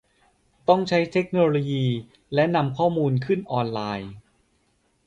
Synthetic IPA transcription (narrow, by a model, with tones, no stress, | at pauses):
t̪ɔ˥˩ŋt͡ɕʰa˦˥jt̪ʰe˦˥k̚noː˧loː˧jiː˧ | lɛ˦˥na˧mkʰɔː˥˩muː˧nkʰɯ˥˩nʔɔː˧nlaː˧j